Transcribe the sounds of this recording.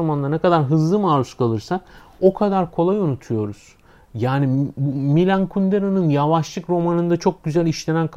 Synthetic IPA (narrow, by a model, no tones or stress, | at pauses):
amand̪anɛkad̪aɾɦɯzlˠɯmaːɾuskʰalˠɯɾsa | o̞kʰad̪aɾkʰo̞lˠajonut̪ʰujo̞ɾuz̥ | jaːnibumilʲankʰund̪eɾonɯnjavaʃlˠɯkɾo̞manɯnd̪at͡ʃʰo̞k̚ɟyzælʲiʃlʲenænkʰ